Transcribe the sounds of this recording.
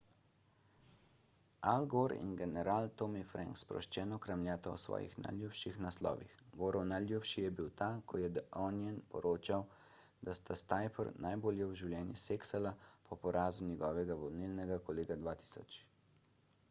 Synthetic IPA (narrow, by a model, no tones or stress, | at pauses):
alɡoɾḭnɡɛnɛɾaːlt̪omifɾʔɛ̰̃ŋkspɾɔ̰ʃt͡ʃɛːnɔkɾamljaːt̪ɔɔsʋɔ̰ːjḭxna̰jljupʃixnaslɔ̰ːʋḭxɡoːɾɔwnajljupʃijɛbiwt̪aːkʰɔjɛd̪ɔnjɛnpɔ̰ɾoːt͡ʃawd̪ast̪ast̪ajpɔɾnajboːljɛwʒiwljɛːnjḭseːksalapʰɔpɔɾʔaːzunʲjɛɡɔːʋɛɡaʋɔlnilnɛɡakɔleːɡad̪ʋaːt̪i̥sɔt͡ʃ